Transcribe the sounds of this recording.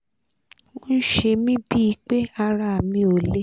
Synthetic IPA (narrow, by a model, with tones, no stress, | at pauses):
wo˦n̩˦ʃe˧mĩ˦bi˦i˧k͡pe˦a˧ɾa˧˨a˨mĩ˧˦o˨le˦